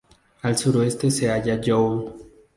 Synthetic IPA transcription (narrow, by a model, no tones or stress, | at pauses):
alsuɾoest̪eseaʝad͡ʒow